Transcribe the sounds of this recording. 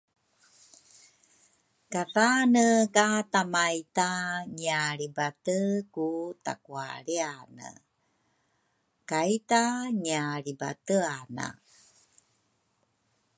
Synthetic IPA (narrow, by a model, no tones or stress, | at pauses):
kaðanəkatamajtaɲiaɾibatəkuta̰kua̰ɾeanə̰ | kajtaɲiaɾiba̰təana̰